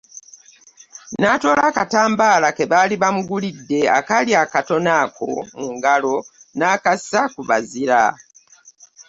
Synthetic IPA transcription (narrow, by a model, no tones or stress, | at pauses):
naːto̞ːlaːkataːmbaːlakeβaliβamuɡulidːe̞a̰kaliakato̞naːkʰo̞̰muŋɡalo̞naːkasakuβa̰ziɾa